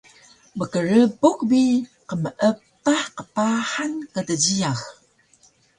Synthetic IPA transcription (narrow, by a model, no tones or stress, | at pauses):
bəkəɾəbukbiqəməʔəptaħqəpaħankədəd͡ʑijax